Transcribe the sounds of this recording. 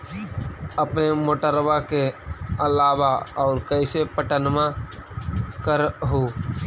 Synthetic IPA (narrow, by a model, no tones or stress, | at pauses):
əpnemoʈəɾʋakeəlaːwaɔːɾkəɪsepəʈənmã | kəɾɦoː